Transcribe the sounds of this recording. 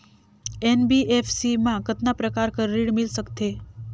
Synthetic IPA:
enbiʔefsimãkət̪napɾəkaɾkəɾːiɽmilsəkt̪e

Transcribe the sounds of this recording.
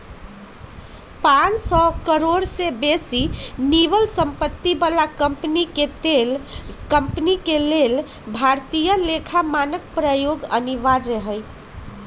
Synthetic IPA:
pansɔkəɾoɽsebesinibəlsəmpət̪ːibəlakəmpniket̪elkəmpnikelel | bʱaɾt̪ijəlekʰamanək̚pɾəjoɡəniʋaɾːəɦəj

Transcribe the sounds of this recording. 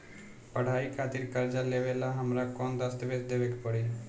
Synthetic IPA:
pəɽ̤aːikʰaːt̪ɪɾkəɾd͡ʒaleːʋeːlaɦəmɾakɔːnd̪ast̪ʋeːsd̪eːʋekpəɽe

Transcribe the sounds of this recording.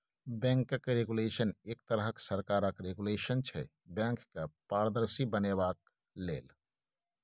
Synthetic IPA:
bɛ̃ːŋkəkɾeːɡuleːʃəneːk̚t̪əɾɦəksəɾkaːɾəkɾeɡuleːʃənt͡ʃʰɛ̰ | bɛ̃ːŋkːapaːɽd̪əɾsibənebaːk | leːl

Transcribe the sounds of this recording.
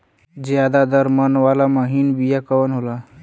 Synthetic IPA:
d͡ʒjad̪ad̪əɾmənʋalaməɦinbijakəwənɦola

